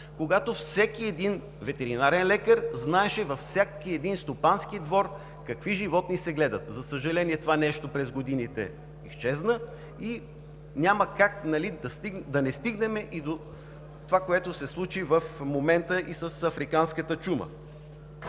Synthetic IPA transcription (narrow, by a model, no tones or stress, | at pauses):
koɡat̪ofsɛkiɛd̪in | vɛt̪ɛɾinaɾɛnlɛkəɾznaɛʃɛvɐfsʲakiɛd̪inst̪opanskid̪vɔɾ | kɐkviʒivɔt̪nisɛɡlɛd̪ət̪zɐsəʒɐlɛniɛt̪ovanɛʃt̪opɾɛzɡod̪init̪ɛ̰ | iʃt͡ʃɛznə | i | nʲaməkak̚nɐlid̪ɐst̪id̪ɐnɛst̪iɡnɛmɛʔid̪o | t̪ovakoɛt̪osɛslˠut͡ʃivəfmomɛnt̪əʔisəsɐfɾikanskət̪ət͡ʃumə̰